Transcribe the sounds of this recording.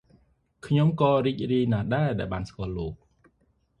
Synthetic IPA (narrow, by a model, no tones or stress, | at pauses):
kʰɲomkɑːriːc̚riəjnaːɗaɛɗaɛlɓaːnskŏəlːoːk̚